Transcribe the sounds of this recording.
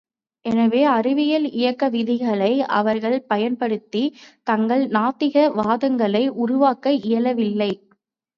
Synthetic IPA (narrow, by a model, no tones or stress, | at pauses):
ʔɛnɐʋeːɐrɪʋɪjɐlɪjɐkːɐʋɪðɪɣɐɭɐɪɐ̰ʋɐɾɣɐɭpɐjɐnpɐɽɯt̪ːit̪ɐŋɡɐɭnaːt̪ːɪɣɐʋaːðɯŋɡɐɭɐɪʔʊɾʊʋaːkɐʔɪjɐlɐʋɪlːɐɪ